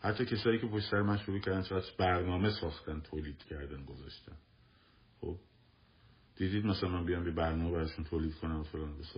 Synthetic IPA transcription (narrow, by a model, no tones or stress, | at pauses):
hæt̪ʰːɒːcʰe̞sɒːjiːkcʰe̞pʰoʃtsæɾemænʃoɾuːcʰæɾd̪ænt͡ʃʰe̞ɣæd̪bæɾnɒːme̞sɒːχt̪ænt̪ʰoːliːd̪̥cʰæɾd̪ænɡozɒ̰ʃt̪æn | χo̰b̥̚ | d̪̥iːd̪iːd̪̚mæsælænmænbijɒmbebæɾnɒːmeæɾɒːʃunt̪ʰoːliːd̪̥kʰo̞næmofe̞lɒːnbesɒ